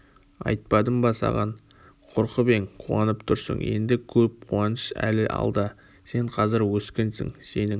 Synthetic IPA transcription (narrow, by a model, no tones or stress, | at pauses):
ɑ̰jt̪̚pɑd̪əmbɑsɑ̰ʁɑn | qʰoɾqəbe̞ɴqʰuɑnəpt̪ʰʊɾsə̰ɴje̞̰nd̪ɪkʲʰɵp̚qʰuɑnəʃæ̰lɪʔɑ̰lˠd̪ə | se̞ɴqʰɑzɪɾwɵskʲe̞nsɪ̰ŋse̞nɪŋ